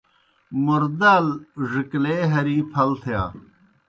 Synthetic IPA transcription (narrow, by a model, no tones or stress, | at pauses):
mʊɾd̪alʐɪkleːɦɐɾiːpʰɐlt̪ʰja̰ː